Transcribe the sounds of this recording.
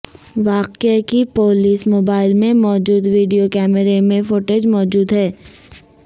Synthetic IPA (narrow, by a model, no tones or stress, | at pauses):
ʋaːqekipoːliːsmoːbaːɪlmẽmɔːd͡ʒuːd̪ʋiːɖijokɛːməɾemẽfoʈeːd͡ʒmɔːd͡ʒuːd̪ɦɛː